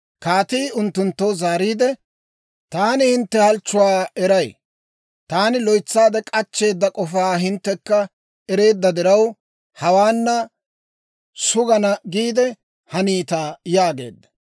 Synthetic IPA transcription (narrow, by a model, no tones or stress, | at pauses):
kaːt̪iːʊnt̪ːʊnt̪ːɔwzaːɾiːd̪ɛ | t̪aːnɪhɪnt̪ːɛhɐlt͡ʃːʊwaːɛɾɐj | t̪aːnɪlɔjt͡sːaːd̪ɛkʼɐt͡ʃːe̞ːd̪ːɐkʼɔfaːɦɪnt̪ːɛkːɐ | ɛɾe̞ːd̪ːɐd̪ɪɾɐw | hɐwaːnːɐ | sʊɡɐnɐɡiːd̪ɛ | hɐniːt̪aːjaːɡe̞̰ːd̪ːɐ̥